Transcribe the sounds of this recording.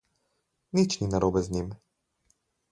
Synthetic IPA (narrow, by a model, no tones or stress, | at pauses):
nit͡ʃninaɾobɛznʲim